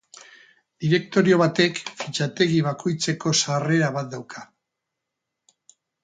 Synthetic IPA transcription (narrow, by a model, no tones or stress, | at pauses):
d̪iɾe̞k̚t̪o̞ɾio̞β̞at̪e̞kfit͡ʃat̪e̞ɣiβakʰo̞jt͡se̞ko̞sare̞ɾaβ̞at̪̚d̪awkʰḁ